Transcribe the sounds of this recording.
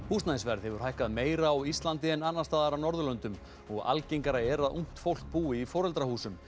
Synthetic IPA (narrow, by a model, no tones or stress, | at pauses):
pust̪najsvɛɾðhɛvʏɾ̥hajhkaðmeːjɾaːwist̪lant̪ɪɛnːanːast̪aːðaɾanɔɾðʏlœnt̪ʏm | ɔɣa̰lcejŋkaɾaɛɾaðʔuŋ̥t̪fowl̥k̚puːɪifɔːɾɛlt̪ɾahuːsʏm